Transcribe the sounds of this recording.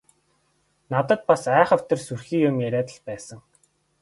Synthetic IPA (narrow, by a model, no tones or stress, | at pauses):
nat̪ə̆t̪̚pasæːχə̆w̥t̪ĕrsurxiːjʊmæɾʲæːt̪ə̆ɮpæːsə̆ŋ